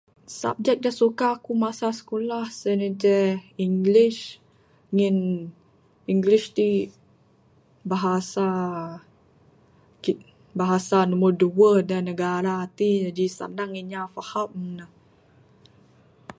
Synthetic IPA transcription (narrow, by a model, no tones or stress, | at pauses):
sa̰p̚d͡ʒɛk̚dasukaːkumasasə̥kulahsənəd͡ʒɛiŋɡliʃ | ŋin | iŋɡliʃt̪i | baɦasa | ki | baɦasanumərduəhdanəɡaɾaːt̪id͡ʒadisa̰naŋiɲafahap̚mənəh